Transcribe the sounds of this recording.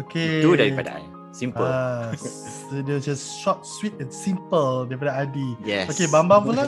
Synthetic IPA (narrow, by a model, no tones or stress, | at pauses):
okeudaɹipada̰a̰ | sĩmpəal | odɛd͡ʒasʃɔp̚swit̪̚ɛ̃nsĩmpəldɛpadaadijɛokebãmbãŋpula